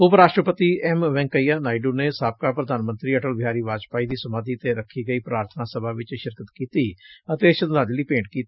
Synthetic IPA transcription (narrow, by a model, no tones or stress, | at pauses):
ʊpəɾaːʃʈɾəpət̪iːɛmʋɛ̃ːŋkəiːjaːnaːiɖuːneːsaːp̚kaːpɾəd̪aːnmənt̪ɾiːəʈəlbʱɪjaːɾiːʋaːd͡ʒpaːiːd̪iːsəmaːd̪iːt̪eɾəkʰːiːɡəiːpɾaːɾt̪ʰənaːsəbʱaːʋɪt͡ʃʃɪɾkət̪kiːt̪iːət̪eːʃə̃nd̪aːd͡ʒliːpẽːɳɖkiːt̪i